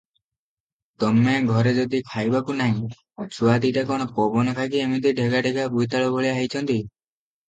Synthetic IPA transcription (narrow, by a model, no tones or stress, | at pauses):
t̪ɔmeɡʱɔɾed͡ʒod̪ikʰajbakunaɦĩ | t͡ʃʰuad̪iʈakoɽ̃ɔpɔbɔnɔkʰakiemit̪̬iɖʱeɡaɖʱeɡabujt̪aɭɔbʱoɭiaɦijt͡ʃʰɔnt̪i